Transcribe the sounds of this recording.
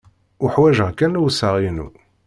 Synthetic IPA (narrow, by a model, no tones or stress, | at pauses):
ʊħwæʒəʁkænuwsəʁinṵ